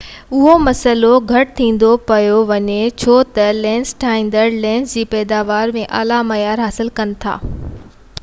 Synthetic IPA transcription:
ʊɦomɐsəloɡʱɐʈɪt̪ʰĩːn̆d̪opɐjoʋɐɲet͡ɕʰoːt̪ɐlɛ̃ːnsʈʰaːɦĩːnd̪əɾlɛ̃ːnsd͡ʑiːpɛːd̪aːʋaːɾmẽʔa̰ːlamɐjaːɾɦaːsɪlkɐnɪ̆t̪ʰa̰ː

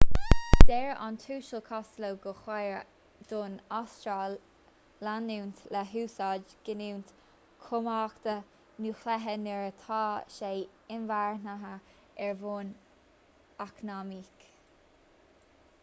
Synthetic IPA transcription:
d̪̥ɛɹa̰nt̪ʰuːʃəkʰɔstlowɡəxwajɹ | d̪̥oːnastɾalː | anuwnt̪lɛɦuːsɑd͡ʒɡ̥ɪniwnt̪ | kʰʊmaːkt̪ə | nuxlɛɦənɛɹət̪ʰɑːʃeː | ɪnvaɹnaɦə | ɛɹvoːn | aknamiːk

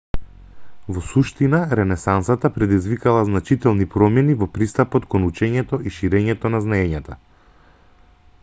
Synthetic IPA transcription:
vɔsuʃt̪inaɾɛnɛsansat̪apɾɛd̪izvikalˠaznat͡ʃit̪ɛlˠnipɾɔmɛnivɔpɾist̪apɔt̪kɔnut͡ʃɛɲɛt̪ɔiʃiɾɛɲɛt̪ɔnaznaɛɲat̪a̰

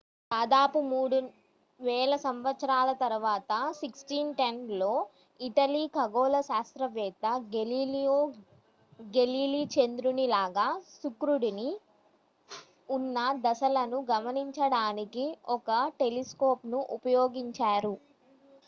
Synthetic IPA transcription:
d̪aːd̪aːpumuːɽu | ʋɛːlɐsɐmʋɐt̪sɐɾaːlɐt̪ɐɾuʋaːt̪ɐsiksʈiːnʈenlo̞ː | iʈɐliːkɐɡoːlɐsaːst̪ɾɐʋɛːt̪ɐɡio | ɡe̞liːlit͡ʃend̪ɾunilaːɡaːsukɾuɽini | unːɐd̪ɐsɐlɐnuɡɐmɐniɲt͡ʃɐɽaːnikiɔkɐʈe̞liskoːpnuʔupɐjoːɡiɲt͡ʃaːɾu

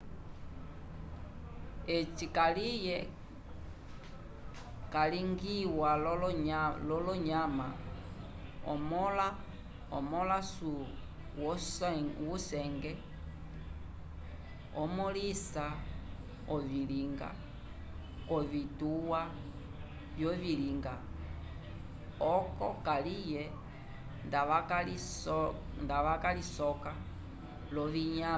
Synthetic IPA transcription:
ɛt͡ʃikalijɛ | kaliŋɡiwa | lɔlɔɲama | ɔ̰mɔl | ɔmɔlasu | wɔ | wusɛŋɡɛ | ɔ̰mɔlisa | ɔviliŋɡa̰ | kɔvituwa | vjɔviliŋɡa | ɔkɔ̰kalijɛ | ndaali | ndaʋakalisɔka | lɔviɲa

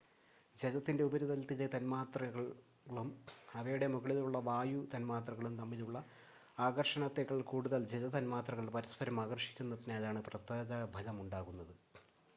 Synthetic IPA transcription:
d͡ʑelɐt̪ːinde̞ubɐɾuðɐlt̪ilet̪ɐnmaːt̪rɐɣɐɭ | ɐɭumɐʋɐjuɽe̞muɣɐɭiluɭːɐʋaːjut̪ɐnmaːt̪rɐɣɐɭumt̪ɐmːiluɭːɐ | aːɡɐrʂɐɳɐt̪ːeɣɐɭkuːɽuðɐld͡ʑelɐt̪ɐnmaːt̪rɐɣɐɭpɐɾɐspɐɾɐmaːɣɐrʂi̥kʲːunːɐðineɐðaːɳɨprɐt̪ːɐðɐbʱɐlɐmuɳɖaːɣunːɐðɨ

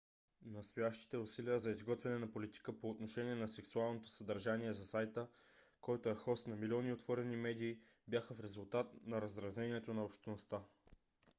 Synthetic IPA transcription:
nɐst̪ojaʃt̪i̥t̪ɛʊsiliəzɐizɡɔt̪vɛnɛnɐpolit̪i̥kəpoːt̪noʃɛniɛnɐsɛksualˠnot̪o̥səd̪ɐɾʒaniɛzɐsajt̪ə | kɔjt̪oɛxɔst̪nɐmilʲɔniot̪vɔɾɛnimɛd̪iː | bʲjaxəfɾɛzulˠt̪at̪nɐɾɐzɾɐzɛniɛt̪onɐopʃt̪ɛnost̪a

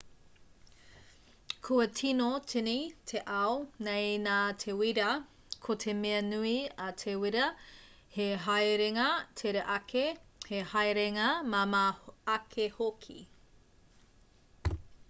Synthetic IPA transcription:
kʰuɐtʰinotʰinitʰeʔɐwnejnaːtʰewiɾɐ | kʰotʰemeɐnuiɐtʰewiɾɐ | heɦajɾeŋɐtʰeɾɐʔɐkʰehehajɾeŋɐmɐmaɐkʰehokʰḭ

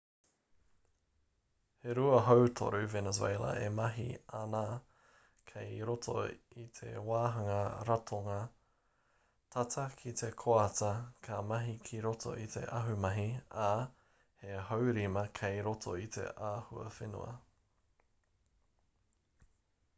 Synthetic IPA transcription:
heɾuɐɦowtʰo̰ɾʉvenəzwḛjlɐ̰ʔemɐɦḭanaː | kʰejɾotʰo̰it̪ʰḛwaːɦɐŋɐɾɐtʰoŋɐ | tʰɐtʰɐkʰitekʰoɐtɐkʰamɐɦikʰiɾotʰo̰ʔit̪ʰe̞̰ʔɐɦʉmɐɦia | heɦowɾimɐkʰejɾotʰo̰it̪ʰḛʔaːhuɐ̰fenṵɐ̰

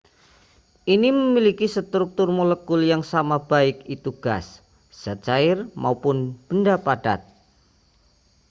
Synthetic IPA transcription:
ʔiniməmilikisət̪ɾuk̚t̪ʊrmoləkʊljaŋsamab̥aɪkit̪uɡ̥as | z̥at͡ʃaɪrmaupʊnb̥əndapad̥a̰t̪̚

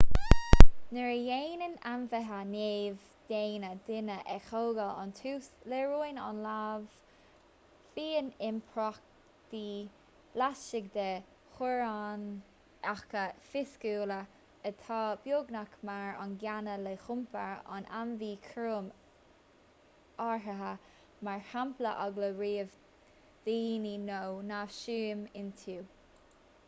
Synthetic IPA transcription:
nəɹjeːnənanvəɦaneːv | d̥̪eːnəd̪ɪnəʔɛxoːɡəla̰nt̪ʰuːsleɹujna̰nlav | fiːənɪmpʰɹɔk̚ | d̪̥iː | laʃɪɡ̚d̪ə | xʊɹan | axkəfɪskuːlə | ət̪ʰɑːbjoːɡnakmaɹa̰nɡjanəlexʊmpəɹa̰nʔanviːkʰɹoːm | aɹɦəɦə | maɹhamplə̰ʔɔɡləɹiːv | d̪̥iininownavʃuːmɪnt̪ʰuː

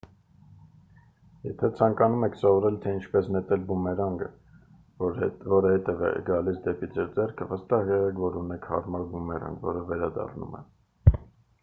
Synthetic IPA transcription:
jɛ̰t̪ʰɛt͡sʰɑŋkɑnumɛkʰsɔvɔɾɛlt̪ʰɛint͡ʃʰpɛsnɛt̪ɛlbumɛɾɑŋɡə̰ | vɔɾəhɛt̪ɛvɛ̰ɡɑlisd̪ɛpid͡zɛɾd͡zɛrkʰəvəst̪ɑhɛʁɛkʰvɔɾunɛkʰhɑ̰ɾmɑɾbumɛɾɑ̰ŋɡvɔ̰ɾəvɛɾɑd̪ɑ̰rnṵmɛ̰

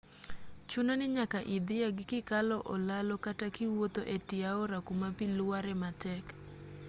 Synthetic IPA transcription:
t͡ʃunonɪɲakaʔid̪ɪjaɡɪkɪkalɔʔɔlalɔkatakɪwot̪oʔetɪaɔɾakumapilʊwaɾɛmatɛk

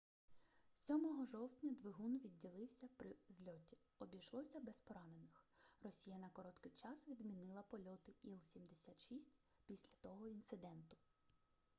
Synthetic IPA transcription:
sʲɔmɔɦɔʒɔwtʲnʲɐd̪ʋɪɦunʋʲidʲːilˠɪwsʲɐpɾɪzʲlʲɔtʲi | ɔbʲijʃlˠɔsʲɐbɛspɔɾɑnenɪxrɔsʲijɐnɐkɔɾɔt̪kɪjt͡ʃɑsʋʲid̪mʲinɪlˠɐpɔlʲɔt̪ɪilˠsʲimd̪esʲat̪ʃisʲtʲ | pʲisʲlʲɐt̪ɔɦɔint̪sɪd̪ɛnt̪ʊ̥

